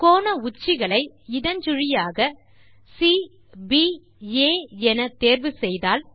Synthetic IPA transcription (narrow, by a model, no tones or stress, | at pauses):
koːnɐʊt͡ʃːɪɣɐɭɐɪ | ɪðɐnd͡ʒʊɻɪjaːɣɐ | si | bi | eːɛnɐt̪eːɾʋɯsɛjðaːl